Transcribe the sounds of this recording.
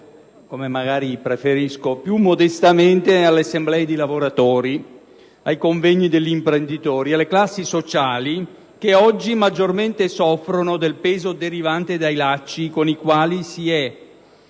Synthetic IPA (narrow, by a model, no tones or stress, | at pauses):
komemaɡaːɾipɾefeɾiskopjumːod̪est̪ament̪ealːeasːemblɛːed̪ilavoɾat̪ɔːɾi | ajkoɱvɛɲːid̪eʎːimpɾend̪it̪ɔːɾialːeklasːisot͡ʃaːli | k̟eɔd͡ʒːimad͡ʒːorment̪esɔfːɾonod̪elpeːzod̪eɾivant̪ed̪ajlat͡ʃːikonikwaːlisiɛ